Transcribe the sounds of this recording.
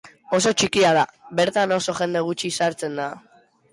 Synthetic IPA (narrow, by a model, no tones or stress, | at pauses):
o̞s̬o̞t͡ʃikiað̞aβe̞ɾt̪ano̞so̞ʝe̞nd̪e̞ɣ̞ut͡ʃisaɾt͡se̞nd̪a